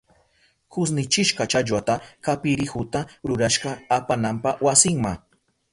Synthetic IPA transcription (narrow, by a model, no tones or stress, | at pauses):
kʊsnɪt͡ʃɪʃɢɑt͡ʃaʎwat̪akapɪɾɪxʊt̪aɾʊɾaʃɢɑapanampawasɪŋmaŋ